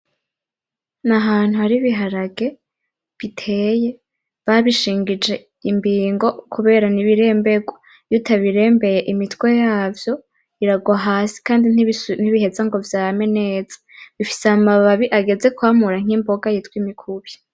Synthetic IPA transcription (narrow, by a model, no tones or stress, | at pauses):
naɦaːn̥huhaɾiβiɦaɾaɡe̞ | βitʰe̞ːje̞ | βaβiʃiːŋɡid͡ʒe̞ | imbiːŋɡo̞kʰuβe̞ːɾaniβiɾe̞ːmbeɡwo | jutaβiɾe̞ːmbe̞jeʔimitwe̞jaːvjo̞ | iɾaɡwaɦaːsi̥kaːndinn̥iβiɦe̞zaŋɡo̞vjaːme̞neːzḁβifi̥seamaβaβiʔaɡe̞ze̞kwaːmuɾaŋ̥imbo̞ɡajitwimikʰuβjḁ